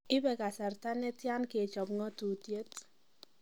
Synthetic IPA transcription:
ɪ˦bɛ˨ka˨sa˨rta˦ne˦tja˦nke˨t͡ʃɔ˨pŋɔ˦tu˨tje˦t

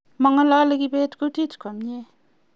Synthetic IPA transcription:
mɔ˨ŋa˦lɔ˦le˦ki˦pe˦tku˦ti˦tkɔ˨mɲe˦

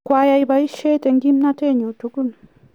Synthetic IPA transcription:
kʷa˨ja˧jba˧i˦ʃe˦t̪e˨ŋɡi˦mna˦te˦˨ɲu˨tu˨˦ku˦n

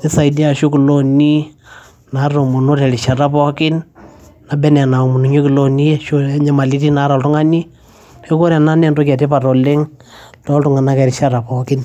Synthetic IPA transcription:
ni˦sa˨jdi˦a˨ʃo˦ki˨lo˦ni˦ | na˨˦ro˨mu˨no˦tɛ˨ɾi˨ʃa˨ta˦pɔ˦kɪ˦nna˨bɛ˦nɛ˨na˨o˨mu˨nu˨ɲo˦ki˨lo˦ni˦je˦ʃo˦ɲa˨ma˨li˦ti˦na˨˦ɾa˨ltu˦ŋa˦ni˦ | o˦ko˦ɾja˨na˦nɛ˦˨nto˦kɛ˨te˦pa˨tɔ˨le˦ŋtɔ˦ltu˦ŋa˨na˦kɛ˨ɾi˨ʃa˦ta˨pɔ˨kɪ˦n

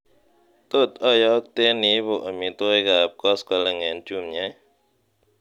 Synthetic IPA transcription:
t̪o˦˨t̪̚ɔ˦˨jɔ˦k̚t̪e˦ni˦bo˨ʔa˨mi˨t̪o˦jɡa˨p̚kɔ˦skɔ˨˦lɛ˧˨ŋɛ˨nt͡ʃu˧˨mɲɛ˨˦

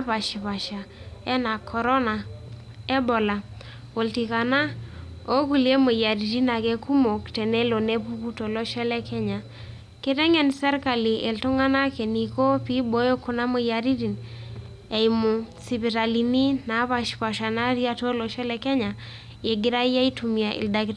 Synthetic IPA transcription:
apa˨ʃi˨pa˨ʃa˨ | ɛ˦na˨kʰɔ˨ɾɔ˦na˨ | ɛ˦bo˨la˨ | o˨lti˨ka˨na˦o˦ku˨lje˦mo˨ja˨ɾi˨ɾi˦na˨ke˦ku˦mo˨ktɛ˨nɛ˦lo˨ne˦pu˦pu˦to˨lɔ˦ʃɛ˦lɛ˦kʰɛ˦ɲa˨ | ke˦tɛ˦ŋɛ˨nsɛ˦ɾka˨li˨ʔe˨lto˦ŋa˦na˦ke˨ni˨ko˦pi˦bo˦jo˦ku˦na˦mo˨ja˨ɾi˦ɾi˨n | e˨jmu˨si˨pi˨ta˨li˨ni˦na˨˦pa˨ʃpa˨ʃa˨na˦ɾja˦to˦lɔ˨ʃɛ˦lɛ˨kɛ˦ɲa˨ | je˨ɡɪ˦ɾa˦ja˦i˦tu˨mi˨a˨ʔḭ˨lda˨k

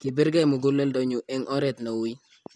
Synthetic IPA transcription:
ki˨be˦ɾɡa˦jmʊ˨ɡo˦lːɛ˦ldɔ˨ɲu˨ʔɛ˦ŋʔɔ˦ɾɛ˨t̪nɔ˨wi˦

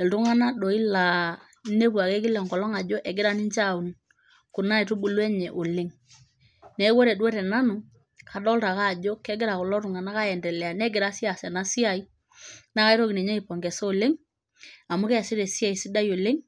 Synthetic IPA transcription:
ɛ˨ltʊ˦ŋa˦na˦do˨i˦la˨ | ne˦pwa˨ke˦kɪ˦lɛ˨ŋkɔ˨lɔ˦ŋa˨d͡ʒo˦ʔɛ˨ɡɪ˦ɾa˦ni˦ɲt͡ʃa˦˨u˨n | ku˨na˦e˨tu˦bu˦lwɛ˦ɲɛ˨ʔo˨lɪ˦ŋ | ne˨˦wo˦ɾe˨dwe˦ɾɛ˨na˦nu˨ | kʰa˨dɔ˦lta˨ka˦˨d͡ʒo˦kɛ˦ɡɪ˦ɾa˨kʊ˨lɔ˦tʊ˨ŋa˨na˦ka˦jɛ˨ndɛ˨lɛ˨a˨nɛ˦ɡɪ˨ɾa˦si˦a˨sɛ˨na˦si˦a˨i˦ | na˦ka˦i˦ɾo˦ki˨ne˨ɲɛ˦i˨pɔ˨ŋɡɛ˨soː˦˨lɪ˦ŋ | a˨mʊ˦kɛ˦a˨sɪ˦ɾɛ˨si˦a˨i˨si˦da˦jo˨lɪ˦ŋ

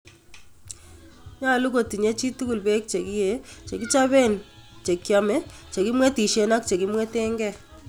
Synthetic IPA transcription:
ɲa˦lu˦ko˨ti˨ɲe˦t͡ʃi˦tu˦ku˨lbɛ˦k̚t͡ʃe˨ki˦je˨˦t͡ʃe˨ki˦t͡ʃa˦βe˦˨n | t͡ʃe˨kja˨mɛ˦ | t͡ʃe˨kɪ˦mwɛ˦ti˨ʃe˨na˦kt͡ʃe˨ki˦mwɛ˦te˦ŋɡɛ˦˨

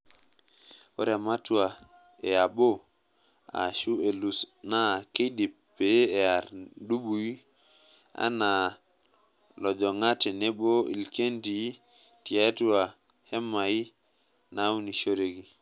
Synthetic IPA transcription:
o̰˦ɾa˨ma˦tu˦wa˨ | e˨ja˨bo˦ | a̰˨ʃu˦e˨lu˨sna˦ke˦ɗi˨p | be˨˦e˨a˨ɾɗu˦ɓu˨ji˦ | a̰˦na˨ | lo˨d͡ʒo˨ŋa˦tɛ˨ne˦bo˦ḭ˨lke˦nti˨˦ | ti˨a˦tu˦wa˨ | he˦mːa˨ji˦ | na˦wni˨ʃo˦ɾe˨ɡi˨

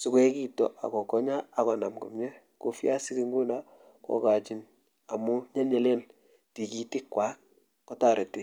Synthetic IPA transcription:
sʊ˨kwɛ˦ki˦tɔ̰˨ʔa̰˨kɔ˨kɔ˦ɲaː˦˨kɔ˨na˨mkʊ̰˨mɲɛ˦ | ko˨fja˦sɪ˦ki˦ŋɡu˦na˦ | kɔ̰˨ka˨t͡ʃɪ˨n | a˨mʊ˦ɲa˦nɲɛ˨le˦n | ti˨ki˦tɪ˦kːwaː˦ | ɔ˦ta˦˨ɾɛ˨tɪ˨

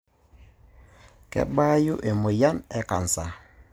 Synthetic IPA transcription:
kɛ̰˦ba˦ju˦ʔe˨mo˨ja˦nɛ˦ka˨n˨sa˨

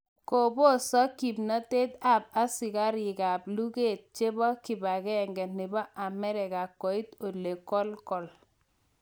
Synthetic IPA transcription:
ko˨bo˦sɔ˦ki˨bna˦te˦t̪a˨b̚a˦sɪ˨ka˦ɾi˨ka˨blu˦ke˦˨t̪̚t͡ʃe˦bɔ˦ki˨ba˨kɛ˦˨ŋɡɛ˨nɪ˨bɔ˦ʔa˨mɛ˦ɾɛ˨ka˨kːɔ˨i˦t̪o˨le˨kɔ˦lkɔ˨l

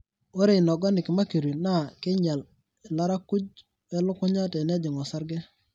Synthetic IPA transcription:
o˦ɾe˨nɔ˨ɡɔ˦nɪ˨kɪ˨ma˦ki˨ɾi˨na˦˨kɪ˦ɲa˨l | ɪ˨la˦ɾa˦ku˦d͡ʒ | wɛ˦lʊ˦kʊ˦ɲa˦tɛ˨nɛ˦d͡ʒɪ˨ŋɔ˨sa˦ɾɡɛ˦

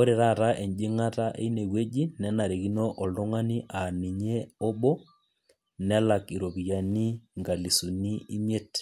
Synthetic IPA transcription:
o˦ɾe˨ɾa˦ɾa˦ʔe˨ɲd͡ʒɪ˦ŋa˦ta˦ʔḛ˦i˦ne˨we˦d͡ʒi˦nɛ˦na˨ɾe˨ki˦no˦ʔɔ˨ldo˦ŋa˦ni˦ʔa˨ni˨ɲe˦o˦bo˦ | nɛ˦la˨ki˨ɾo˨βi˨ja˨ni˦ŋɡa˨li˨su˨ni˦i˦m˦e˦t

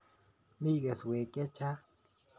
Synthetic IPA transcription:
mi˦ɣe˨swe˨kʼe˦t͡ʃa˦

